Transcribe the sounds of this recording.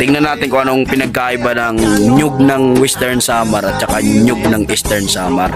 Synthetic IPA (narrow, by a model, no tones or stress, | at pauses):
t̪ɪŋnɐnaːt̪ɪnkʊŋʔɐnoŋpɪnɐɡ̚kaːʔɪbanɐŋɲʊɡ̚nɐŋwɛst̪ɛɹnsaːmɐɾɐt̪̚t͡ʃɐkaɲʊɡ̚nɐŋʔist̪ɛɹnsaːmɐɾ